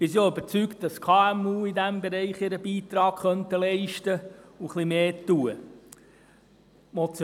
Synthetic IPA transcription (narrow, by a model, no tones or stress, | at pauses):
b̥ɪs̬oybəɾt͡sykt̚d̥ɑskʰɑːæmuːidæmbɛɾɛɪχɪɾəbiːt̪ɾɑːkχœntəlɛɪʃtəuχlimeːtːuə | mɔt͡sj